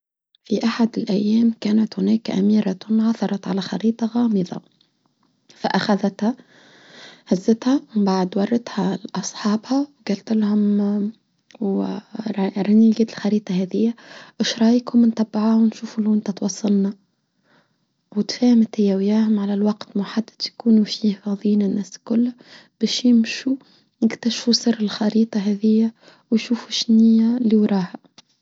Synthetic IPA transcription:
fiʔaħad̪ɪlʔæjːæːmkæːnat̪hʊnæːkʔa̰miːɾat̪ʊnʕɑθɑɾˤɑt̪ʕalaxɑ̰ɾiːt̪ˤɑɣɑːmɨðˤɑ̰ | faʔaxaðat̪ha | hazːɪt̪hamɪmbaʕd̪wɑrˤːɑt̪haʔɑsˤħɑːbhawɡalt̪ɪlhʊm | w | ɾɪniɡiːt̪lxɑɾiːt̪ˤɑhæːðɪjːawɪʃɾˤɑːjəkhʊmnt̪ˤɑbːʕawnʃuːfuluʔɪnt̪æt̪wɑsˤːɑlnɑ | wɪt̪fæːhmɪt̪hɪjːæwjæːɦʊmʕalælwɑqt̪mʊħad̪ːad̪̥jkuːnufiːhfɑðˤiːnɪnːæːskʊlː | b̥ɛːʃjɪmʃu | jɪɡt̪aʃfusɨrːɪlxɑɾiːt̪ˤɑɦɛðɪjːa | wjʃuːfuʃnijæliwɾˤɑːhæ

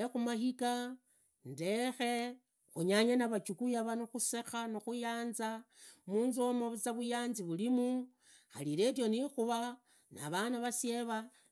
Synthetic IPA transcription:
exumahika | nde̞xe̞ | xuɲaɲanaβat͡ʃukujaβanoxuse̞xanoxujaːnza | muːnzomoβut͡saβujaːnziβulimu | xalile̞t̬jo̞nixuβa | na̰βanaβasje̞βa

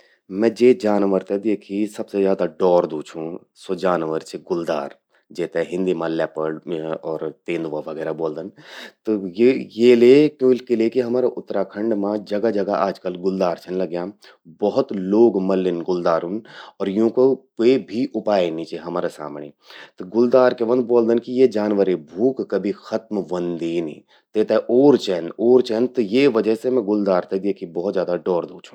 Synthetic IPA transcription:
mɛ̃ːd͡ʒeːd͡ʒaːnʋəɾt̪ed̪eːkʰisɐbsezjaːd̪aɖɔːɾd̪uːt͡ʃʰũ | sod͡ʒaːnʋəɾt͡ʃʰeɡʊld̪a̰ːɾ | d͡ʒɛːt̪eɦɪ̃nd̪imãlɛːpəɖɔːɾt̪ẽːnd̪ʋãʋɐɡɛːɾaboːld̪ənt̪ojejeːlekjõɪlkelekiɦɐmaːɾaʔʊt̪ːɾakʰə̃ɳɖmãd͡ʒɐɡad͡ʒɐɡaʔaːd͡ʒkəlɡʊld̪aːɾt͡ʃʰənlɐɡja | bɔɦʊt̪loːɡmɐlːɪnɡʊld̪aːɾunɔːɾjɦũkokoːibʱiʔʊpaːenit͡ʃeɦɐmaːɾasa̰ːmɳḛː | t̪ɡʊld̪aːɾkeʋɐ̃nd̪̚bɔːld̪ənkijed͡ʒaːnʋəɾebʱuːkːɐbʱixɐt̪̚mʋɐ̃nd̪iːnḭ̃ː | t̪et̪eʔoːɾt͡ʃɛːnoːɾt͡ʃɛːnt̪ojeʋɐd͡ʒəɦsemɛ̃ɡʊld̪aːɾt̪ed̪eːkʰibɔɦt̪zjaːd̪aɖɔːɾd̪oːt͡ʃʰũ̥

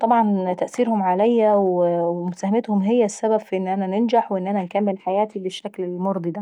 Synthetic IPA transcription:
t̪ˤɑbʕɑnt̪æʔsiːɾhʊmʕalæjːæwemʊsæhmeɪt̪hʊmɦejːæsːæbæbfiʔɪnːʔænænɪnd͡ʒaħweʔenːʔænænkæmːelħajæːt̪ibɪʃːæklɪlmoɾˤd̪ˤid̪æ

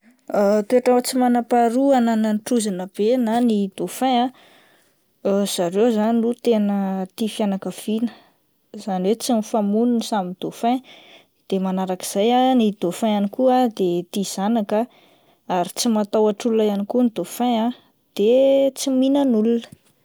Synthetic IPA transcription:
at̪eʈ͡ʂawt͡simanapaɾuanananʈ͡ʂuzanəb̥enanid̪̥ofãa | z̥aɾewzaninut̪enət̪ifianakəv̥inə | z̥aniwet͡simifamununisamind̪ofẽ | d̪̥emanaɾaki̥z̥ajanid̪̥ofãanikuad̪et̪iz̥anaka | aɾit͡simat̪awaʈ͡ʂuluajanikunid̪ofãa | d̪̥et͡siminənulunə̥

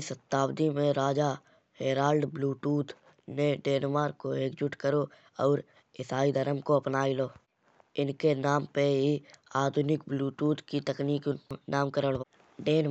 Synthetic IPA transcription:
sət̪aːbd̪imẽɾaːd͡ʒa | ɦeːɾaːlɖbluːʈuːt̪ | neɖeːnmaːɾkoeːkd͡ʒʊʈkəɾo | ɔːɾ | ɪsaːid̪ʱəɾəmkoɐpnaːiloː | ɪnkenaːmpeɦiaːd̪ʱʊnɪkbluːʈuːt̪kit̪əkniːknʔaːmkəɾəɽ | ɖeːn

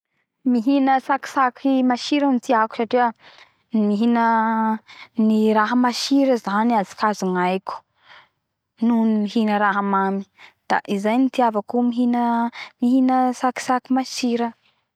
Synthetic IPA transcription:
miɦinəsaki̥sakʰimaʃiɾənit̪iaku̥saʈ͡ʂiwa | miɦinə | niɾaɦəmaʃiɾəzaniazi̥kazuŋajku̥ | nunimiɦinəɾaɦamami̥d̪̥a̰ʔizajnit̪iavakumiɦinəmiɦinəsaki̥sakimaʃiɾə

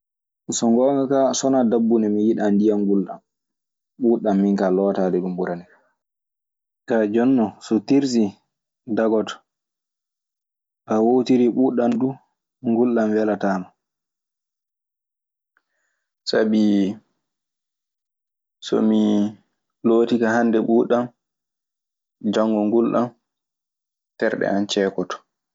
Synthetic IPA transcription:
sɔŋɡɔːŋakasɔnadabːunɛmijiɗandijaŋɡulɗa̰m | ɓuːɗamːiŋkalɔːtadɛɗumbuɾanɛ | kad͡ʒɔnːɔsɔtiɾs̬i | daɡɔtɔ̥ | ʔawowtiɾiɓuːɗanɗu | ŋɡulɗamwɛlataːma | sabi | sɔ̰mi | loːtikahandɛɓuːɗam | d͡ʒaŋɡɔŋɡulɗam | tɛɾɗɛ̰ant͡ʃɛːkɔtɔ̥

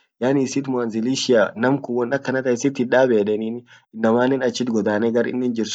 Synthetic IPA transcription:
jaːnisɪt̪mʊanzɪliʃɪanɐmkʊwɔnɐkːɐnɐt̪ɐɛsɪt̪hɪᶑaːbeːᶑɛniːn | ɪnːɐmaːnɛnɐt͡ʃːɪt̪ɡɔd̪aːnɛɡɐɾɪ̰nːɪnd͡ʒɪɾs

